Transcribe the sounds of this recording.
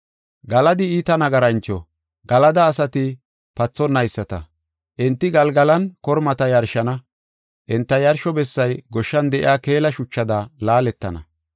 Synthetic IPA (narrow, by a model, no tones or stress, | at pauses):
ɡɐlɐd̪ɪiːt̪ɐnɐɡɐɾɐnt͡ʃːɔ̰ | ɡɐlɐd̪ɐːsɐt̪ɪ | pɐt͡sːɔnːɐjsːɐt̪ɐ̰ | ʔɪnt̪ːɪɡɐlɡɐlɐnkɔɾmɐt̪ɐjɐɾʃɐnɐ | ʔɛnt̪ːɐjɐɾʃɔbɛsːɐjɡɔʃːɐnd̪ɛʔɪ̰aːke̞ːlɐʃʊt͡ʃːɐd̪ɐlaːlɛt̪ːɐ̰nɐ̰